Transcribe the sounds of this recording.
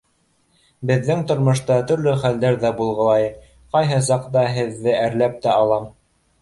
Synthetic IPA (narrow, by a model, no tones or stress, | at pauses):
bɘ̆ðːɘŋt̪ŏɾmŏʃt̪ɑt̪ɵ̆ɾlɵχæld̪æɾðæbulˠʁɤ̆lˠɑj | qɑjɦɤs̬ɑqt̪ɑɦɘ̆ðːɘæɾlæp̚t̪æɑlˠɑm